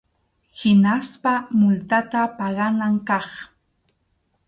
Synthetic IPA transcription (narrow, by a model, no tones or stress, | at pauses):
hɪnaspamʊlt̪at̪apɑɢɑnaŋkɑχ